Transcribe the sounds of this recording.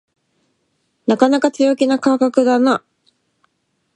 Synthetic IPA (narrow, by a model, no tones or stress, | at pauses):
nakanakat͡sɨjo̞kʲinakakakɯ̟d̪ana